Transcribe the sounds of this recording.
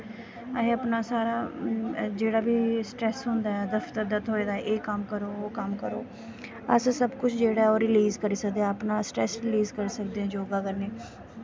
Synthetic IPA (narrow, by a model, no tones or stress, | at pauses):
əeːəpnaːsaːɾaː | d͡ʒeːɽaːbiːsʈɾɛːsɦʊ̃nd̪aːɛːd̪əft̪əɾd̪ət̪ɦoːeːd̪aːʔeːkəmkəɾoːkəmkəɾo̰ː | əssəbkʊt͡ʃʰd͡ʒeːɽaːɛoːɾɪliːzkəɾiːsək̚d̪eːɛ̃ːəpnaːsʈɾɛsɾɪliːzkəɾiːsəkd̪eːɦɛ̃ːd͡ʒoːɡaːkəɾneː